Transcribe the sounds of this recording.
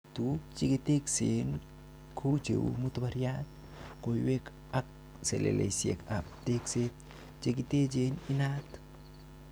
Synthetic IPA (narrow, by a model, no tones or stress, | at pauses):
tut͡ʃiket̪eksen | kʰot͡ʃḛwṵmut̪baɾjat̪̚ | kojwek | ak̚ | sḛlḛlḛsḛkap̚tekset̪̚ | t͡ʃek̬ited͡ʒeninat